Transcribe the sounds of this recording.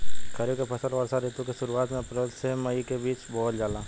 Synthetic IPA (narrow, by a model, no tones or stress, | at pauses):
kʰəɾjokepʰɐsəlʋaːɾsaɾeːt̪õkeʃʊɾuaːt̪mẽɐpɾəlseməikebiːt͡ʃbɔːt̪d͡ʒaːlaː